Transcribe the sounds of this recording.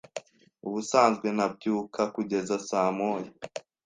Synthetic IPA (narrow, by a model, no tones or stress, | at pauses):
uβusaːnzɡwe̞nab̚ɟjuːkʰakuɟe̞zasaːmoːje